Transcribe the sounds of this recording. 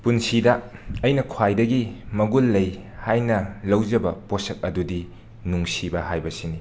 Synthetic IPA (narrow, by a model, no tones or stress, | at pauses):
punsidɐɐjnɐkʰwajdɐɡimɐɡulːɐjhajnɐlɐwd͡ʒɐbɐposɐk̚ɐdudi | nuŋsibɐhajbɐsini